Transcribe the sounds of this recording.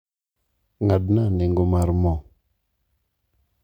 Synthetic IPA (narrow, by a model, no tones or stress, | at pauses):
ŋad̚naneŋɡomaɾmo